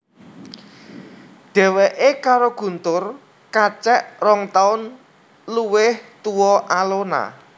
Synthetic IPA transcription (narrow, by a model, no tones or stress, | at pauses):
ɖ̪̥ɛ̤weʔekaɾoɡ̥ṳnt̪ʊr | kat͡ʃɛʔrɔŋt̪aʊn | luwɪht̪uwɔʔalona̰